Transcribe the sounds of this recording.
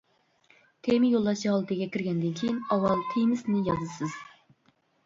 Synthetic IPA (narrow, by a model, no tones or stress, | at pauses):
t̪ʰemɪjolˠːɑʃɑlˠɨt̪ʰɨɡʲɛkʲʰiɾɡʲɛnd̪ɪnkʲʰejinɑwɑlˠt̪ʰejmɪsnɪjɑzɨsɨz̥